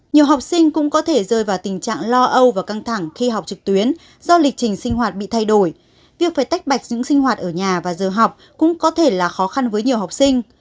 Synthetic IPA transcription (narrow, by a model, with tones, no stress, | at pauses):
ɲi˨˩əwɦa˨˩wk͡p̚sï˧ŋ̟kʊ̰˧˥ŋ͡mkɔ˨˦t̪ʰe˧˩zəː˧˩jvaː˨˩wt̪ï˨˩ŋ̟t͡ɕa̰ː˧˨ŋlɔ˧ʔə˧wvaː˨˩ka˧ŋt̪ʰa˧˩ŋxi˧ɦa˨˩wk͡p̚t͡ɕɨ˨˩k̚t̪wi˨˦ən | zɔ˧lï˨˩k̟̚t͡ɕï˨˩ŋ̟sï˧ŋ̟ɦwaː˨˩t̚ɓḭ˧˨t̪ʰa˧jɗo˧˩j | vi˨˩ək̚faː˧˩jt̪a˦˥jk̚ɓa˨˩jk̟̚ɲɨ̰˧˥ŋsï˧ŋɦwaː˨˩t̚ʔəː˧˩ɲaː˨˩vaː˨˩zəː˨˩ɦa˨˩wk͡p̚ | kʊ̰˧˥ŋ͡mkɔ˨˦t̪ʰe˧˩laː˨˩xɔ˨˦xa˧nvəː˨˦jɲi˨˩əwha˨˩wk͡p̚sï˧ŋ̟